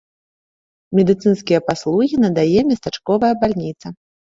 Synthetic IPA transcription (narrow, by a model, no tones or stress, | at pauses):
mʲɛd̪ɨt̪sɨnskʲijɐpaslˠuɣʲinɐd̪ajɛmʲɐst̪at͡ʂkɔvɐjɐbalʲnʲit̪sɐ